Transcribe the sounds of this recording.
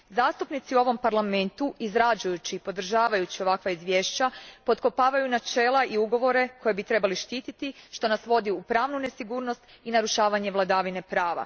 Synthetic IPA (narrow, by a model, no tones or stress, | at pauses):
zaːst̪upnit̪siuo̞ʋo̞mpaɾlˠame̞nt̪uʔizɾad͡ʒujut͡ɕiːpo̞d̪ɾ̩ʒaːʋajut͡ɕio̞ʋakʋaizʋje̞ːʃt͡ɕapo̞t̪ko̞paːʋajunat͡ʃe̞ːlaʔiuɡo̞ʋo̞ɾe̞ko̞je̞bit̪ɾe̞baliʃt̪iːt̪it̪iʃt̪o̞nasʋo̞d̪iupɾaːʋnune̞siɡuːɾno̞st̪ | inaɾuʃaːʋaɲe̞ʋlˠad̪aːʋine̞pɾaːʋa̰